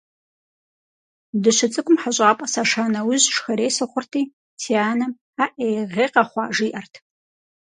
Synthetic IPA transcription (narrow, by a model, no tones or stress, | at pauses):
dɨɕɪt͡sʼɨkʷʼʊmħaɕʷʼaːpʼɐsaʂaːnɐwʊʑʂxɐɾeːsɨχʷʊrtʰiː | tʰiaːnɐ | aːʔejʁeːqɐχʷɑːʒiːʔɐrtʰ